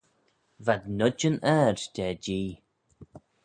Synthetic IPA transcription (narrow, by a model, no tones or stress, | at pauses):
vad̪nʊd͡ʒənɛɹd̪ʰɛːd͡ʒiː